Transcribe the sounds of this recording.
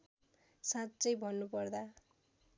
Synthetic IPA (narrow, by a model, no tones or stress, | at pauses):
satːt͡sʌjbʱʌnːupʌrd̪a